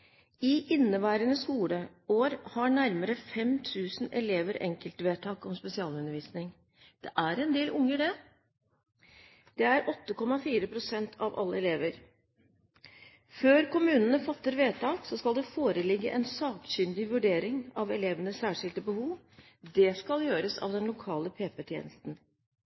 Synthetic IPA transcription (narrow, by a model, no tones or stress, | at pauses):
ɪʔɪnːəʋæːɾənəskuːlə | oːɾhɑɳæɾməɾəfɛmt̪ʰʉːsnɛleːʋəɾɛ̰ŋkəlt̪ʋeːt̪ʰɑːkɔmspɛsɪɑːlʉnːəɾʋiːsnɪŋ | d̪̥ɛʔæɾɛnd̪eːlʔʊŋːəɖɛ | d̪̥ɛæɾʔɔt̪ːəkʰɔmːɑfiːɾəpʰɾʊsɛnt̪ʰɑʋʔɑ̰lːəɛleːʋəɾ | føːɾkʊmʉːnənəfɑt̪ːəɾʋeːt̪ʰɑːksɔskɑld̪ɛfoːɾəlɪɡːə̰ʔɛnsɑːkɕʏnd̪ɪʋʉɖeːɾɪŋɑʋɛleːʋənəssæːʂɪlt̪əbəhuːʋ | d̪ɛskɑljøːɾəsɑ̰ʋd̪ɛnlʊkʰɑːləpʰeːpɛt̪ʰjḛːnəst̪n̩